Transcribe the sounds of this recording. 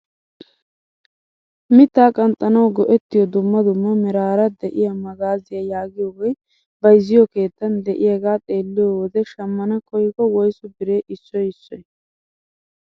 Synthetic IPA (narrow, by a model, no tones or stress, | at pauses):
mɪt̪ːaːkʼɐnt̪ʼːɐnɐwɡɔʔɛt̪ːɪjɔd̪ʊmːɐd̪ʊmːɐmɪɾaːɾɐd̪ɛʔɪjɐmɐɡaːzɪjɐjaːɡɪjɔwɔj | bɐjzɪjɔke̞ːt̪ːɐnd̪ɛʔɪjɐɡaːt̪ʼe̞ːlːɪjɔwɔd̪ɛʃɐmːɐnɐkʰɔjɪkɔwɔjsʊbɪɾe̞ːʔɪsːɔjɪsːɔj